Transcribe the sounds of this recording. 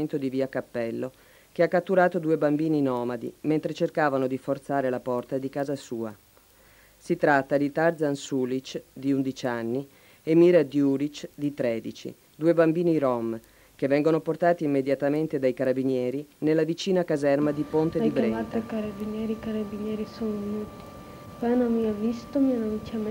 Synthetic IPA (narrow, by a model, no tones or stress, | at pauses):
nt̪od̪iviakapːɛlːo | keakːat̪ːuɾaːt̪od̪uːebambiːninɔːmad̪ḭment̪ɾet͡ʃerkaːvanod̪ifort̪saːɾelapɔrt̪ad̪ikaːzasuːa | sit̪ɾat̪ːad̪it̪arzansulit͡ʃd̪iund̪it͡ʃanːi | emiːɾad̪juːɾit͡ʃd̪it̪ɾɛːd̪it͡ʃḭ | d̪uːebambiːniɾɔm | kevːɛŋɡonoport̪aːt̪iːmːed̪jat̪ament̪ed̪ajkaɾabinjɛːɾinelːavit͡ʃiːnakazɛrmad̪ipont̪ed̪ibɾɛat̪ːakaɾabinjɛːɾikaɾabinjɛːɾisonoɲut̪i̥ | pɛnomiavist̪omianamit͡ʃam